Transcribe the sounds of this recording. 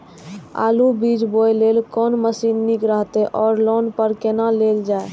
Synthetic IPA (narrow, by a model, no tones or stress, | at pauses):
a̰ːlubid͡ʒbojlelkɔːnməsinːikɾəɦt̪eʔɔːɾlonpəɾkenaleld͡ʒae